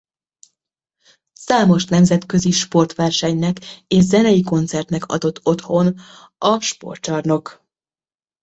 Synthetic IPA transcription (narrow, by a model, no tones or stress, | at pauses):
saːmo̞ʃnɛmzɛt̪kø̞ziʃpo̞rt̪ʋɛrʃɛɲnɛkeːʃzɛnɛjiko̞nt̪sɛrt̪nɛkɒ̰d̪o̞t̪ʰːo̞t̪ho̞n | ɒʃpo̞̰rt̪t͡ʃɒrno̞k